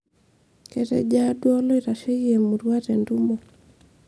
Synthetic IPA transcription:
kɛ˨tɛ̰d͡ʒa˦dwɔ˦lɔ˦i˨ɾa˨ʃe˦ie˨mu˨ɾwa˦tɛ˨ndu˦mɔ˨

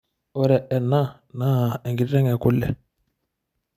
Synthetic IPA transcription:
ɔ˦ɾɛ˨ʔɛ˨nːa˦ | na˦˨ɛ˨ŋɡi˨ɾɾɛ˦ŋɛ˨ku˦lːɛ̰˨

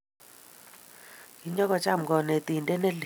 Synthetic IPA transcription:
ki˨ɲɔ˦kɔ˨t͡ʃa˦˨m˨ɡɔ˨nɛ˨t̪i˨ndɛ˦nɛ˦l

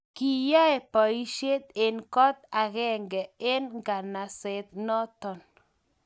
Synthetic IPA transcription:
ki˨ja˦ɛ˨pɔ˨i˦ʃe˦t̪e˨nkɔ˦t̪a˨ɣɛ˦ŋɡɛ˨e˦nŋɡa˨na˨se˨t̪̚nɔ˦t̪ɔ˨n

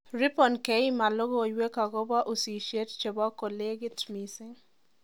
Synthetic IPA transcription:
ri˦pɔ˨nke˨˦i˦ma˨lo˦ɡɔ˦˨jwe˦ka˨ɡɔ˦ba˦ʔo˨si˨ʃe˦tt͡ʃe˨bɔ˦ko˨le˦ɡɪ˦tmi˨sɪ˦ŋ

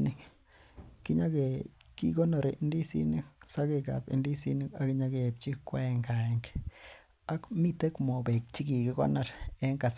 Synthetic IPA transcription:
ni˦k | ki˦ɲa˦ɡe˨ | ki˦ɡo˦na˧ɾi˨ʔndi˦si˦ni˦sa˦ɡe˧ɡa̰˨bḭ˧ndi˦si˦ni˦ka˦kɲa˦ɡe˨b̚t͡ʃi˦kʷe˦ŋɡa˨ŋk | a˦kmi˦˧t̪e˦kmo˨be˨k̚t͡ʃi˦ɡi˨ɡe˧ɡo̰˦na˦˧ɾe˦ŋka˨s

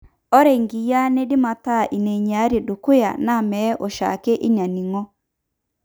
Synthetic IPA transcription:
ɔ˦ɾɛ˨ŋɡi˨ja˦ne˦dɪ˦ma˨ta˦˨ʔi˨ne˨ɲa˨˦ɾe˨do˨kʊ˦ja̰˨na˦˨mɛ˨˦ʔɔ˨ʃa̰˨kɛ˦ʔi˦ɲa˨ni˨ŋɔ˦

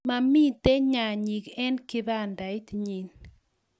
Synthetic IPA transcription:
ma˨mi˦t̪e˦ɲa˨ɲi˨kɛ˦nkɪ˦ða˦nda˨ɪ˦tɲi˨n

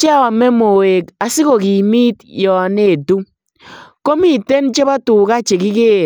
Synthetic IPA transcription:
t͡ʃɛ˦ɔ˨mɛ˦mo˨e˨ka˨si˦ko˨ki˨mi˦tjɔ˨ne˦˨tu˦ | ko˦mi˦˨te˦nt͡ʃe˦ba˦tu˨ka˦t͡ʃe˨ki˦keː˦˨

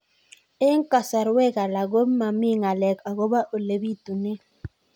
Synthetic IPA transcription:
e˦ŋ̩˦ka˨sa˨ɾwe˦˨ɣa˨la˨ɡo˦ma˨mi˦ŋa˨lɛ˨ka˨ɣo˦ba˦ʔo˨le˨bi˦˨tu˨ne˦

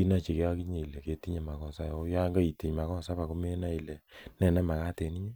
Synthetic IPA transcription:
i˦na˦˨t͡ʃe˨ke˦a˦ki˦ɲe˨i˨lɛ˨ke˦ti˦ɲe˦˨ma˨kɔ˨sa˦jɔ˨˦ja˦ŋɡa˦i˨ti˨ɲ˨ma˨kɔ˦sa˦pa˨ko˦me˦na˦i˨lɛ˨nɛ˨nɛ˦ma˨ka˦te˨ni˦ɲe˦

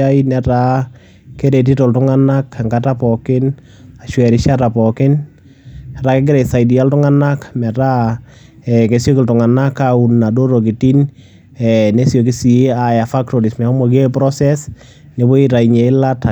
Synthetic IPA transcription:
a˦inɛ˨ɾa˨ | ke˦ɾe˨t̬i˦to˨ltʊŋa˦na˦ka˨ŋɡata˦pɔkɪ˦n | a˨ʃwɛɾɪ˨ʃa˦ta˨pɔkɪ˦n | ɛ˨ɾake˦ɡ̬ɪ˦ɾɛ˨sa˨jdi˨a˦ltʊ˦ŋa˦na˦kmɛ˨ɾa˦ | ɛke˨sjo˦kɪ˨ltʊ˨ŋa˨na˦kːau˨na˨do˦ɾo˨k̬i˨ti˦n | ɛne˦sjo˨k̬i˦si˨˦a˨ja˨fa˦k̚to˨ɾi˨smɛ˨ɔ˦mɔke˦pɾɔ˦sɛs | ne˨bo˦i˦ɾa˨iɲe˨ɪ˦la˦ta˨

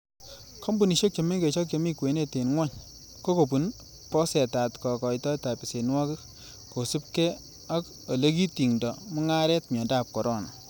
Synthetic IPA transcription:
kʰɔ˦mbu˨ni˨ʃo˦k̚t͡ʃɔ˨me˦ŋɡe˨t͡ʃɔ˦k̚t͡ʃa˨mi˦kwe˨ne˦te˨nŋwa˦ɲ | ko˦ko˨pu˨n | pɔ˦sɛ˨ta˨tkɔ˨kɔ˨jtɔ˦jta˨pi˨se˨nwɔ˦ki˦ | ko˨su˦p̚kɛ˦ | a˦k | o˨le˦ki˦ti˨ŋdɔ˨mɔ˦ŋa˦ɾɛ˦t̚mjɔ˨nda˦˨p̚kɔ˨ɾɔ˦˨nɔ˨

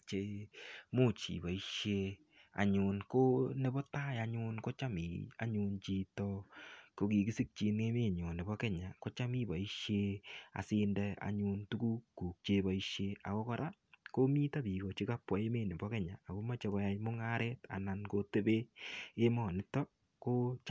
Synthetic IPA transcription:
t͡ʃe˨˦mo˦˨t͡ʃḭ˨ba˨i˦ʃe˧˦ | a̰˨ɲʊ˧nko˦ne˦bɔ˦ta˦ja˦ɲʊ˦nko˦t͡ʃa˦mḭ˨a̰˦ɲu˧nt͡ʃi˦tɔ˦ko˨ki˨ki˦si˦k̚t͡ʃi˧nŋe˦me˦˨ɲo˨ne˨bɔ˦kɛ˦ɲa˨ko˦t͡ʃa˦mi˦ba˨i˦ʃe˦a̰˨sɪ˦ndɛ˦a̰˨ɲu˧ntu˦ku˦kːuː˨k̚t͡ʃe˦ba˨i˦ʃe˦a̰˨ko˦kɔ˦ɾʔa˦ | ko˦mi˦ta˦bi˨kɔ˨t͡ʃi˦ka˦pwa˨e˦me˦˨ne˨bɔ˦kɛ˦ɲa̰ː˨ko˦ma˦t͡ʃe˨˦kɔ˦ja˦jmʊ˦ŋa˦ɾɛ˦ta̰˨na˨nko˦te˦be˦e˦mɔ˨nɪ˦tɔ˦ | ko˦t͡ʃ

